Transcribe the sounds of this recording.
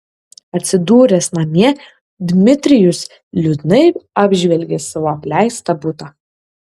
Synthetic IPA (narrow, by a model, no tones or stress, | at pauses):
ɐt̪ʲsʲɪd̪uːɾʲɛsnɐmʲiɛ | d̪ʲmʲɪt̪ʲɾʲɪjʊs | lʲʊd̪ʲnɐɪɑːbʲʒʲʋʲɛlʲɡʲesɐʋoːɐpʲlʲæˑɪst̪ɐbʊt̪ɐ